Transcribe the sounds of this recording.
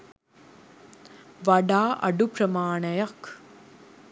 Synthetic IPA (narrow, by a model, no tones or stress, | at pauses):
ʋɐɖaːʔɐ̰ɖupɾɐmaːɳɐjɐk